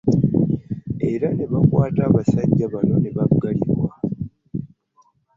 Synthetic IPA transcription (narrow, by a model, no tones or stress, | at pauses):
e̞ɾane̞βakwaːtaːβasaɟːaβano̞neβaɡaliɾwa